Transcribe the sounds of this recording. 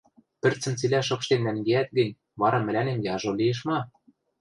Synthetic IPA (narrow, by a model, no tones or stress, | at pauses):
pɘ̆rt͡sɘ̆mt͡silæʃɤ̆kʃt̪ennæŋɡeæt̪̚ɡɘ̆nʲ | βɑɾɑmɘ̆lʲænemjɑʒolieʃ̬mɑ